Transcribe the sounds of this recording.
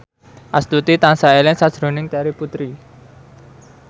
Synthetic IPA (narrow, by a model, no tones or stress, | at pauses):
ʔast̪ut̪it̪ansaelɪŋsad̥ʒ̥ɾo̤nɪŋt̪aɾiput̪ɾi